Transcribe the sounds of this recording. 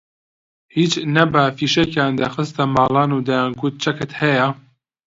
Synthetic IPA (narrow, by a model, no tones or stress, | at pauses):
hiːt͡ʃnɐbɐfiːʃɛkjɑːnd̪ɐxɨst̪amɑːlɑːnud̪ɛjaːnɡut̪̚t͡ʃʰɛkɨt̪hɛja